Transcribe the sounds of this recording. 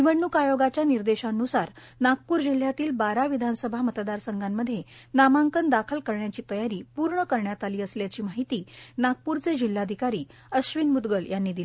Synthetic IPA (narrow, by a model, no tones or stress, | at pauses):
iʋəɳːukajoɡat͡ɕjaniɾd̪eɕaənːusaɾ | nak̚puːɾd͡ʑil̤ːjat̪iːlbaɾaʋid̪ʱansəbʱamət̪d̪aɾsəŋɡamːəd̪ʱːjenamaŋkənd̪akʰəlkəɾɳjat͡ɕiːt̪əjaɾiːpuɾɳəkəɾɳjat̪aliːəsljat͡ɕiːmaɦit̪iːnak̚puɾt͡sed͡ʑil̤ːad̪ʱikaɾiː | əɕʋinmud̪ɡəljanːiːd̪ili